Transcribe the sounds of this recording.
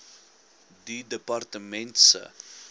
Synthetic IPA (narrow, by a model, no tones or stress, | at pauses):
didəpɐrtəmɛntsə̰